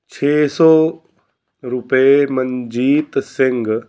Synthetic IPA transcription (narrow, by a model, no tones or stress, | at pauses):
t͡ʃʰeːsɔː | ɾʊpeməɲd͡ʒiːt̪sɪ̃ŋɡ